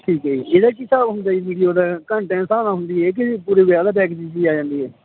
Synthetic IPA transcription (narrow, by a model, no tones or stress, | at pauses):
ʈʰiːkɦɛːiːeːd̪aːkɪsaːɦʊ̃nd̪aːiːʋiːɽijoːd̪aːkəɳʈɛ̃ːnsãːnãːɦʊ̃nd̪iːɦɛːk̬ɪpuːɾeːʋɪaːd̪aːpɛːkt͡ʃiːt͡ʃiːaːd͡ʒãːnd̪iːɦɛː